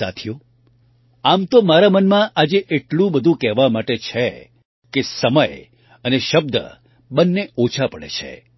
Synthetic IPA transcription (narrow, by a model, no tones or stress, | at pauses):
a̰t̪ʰjo | amt̪omaɾamənmãʔad͡ʒeʔeʈlũbəd̪ʱũkɛɦʋamaʈet͡ʃʰe | kesəməj | əneʃəb̚d̪ʱə̰ | bənːeot͡ʃʰapəɭḛt͡ʃʰḛ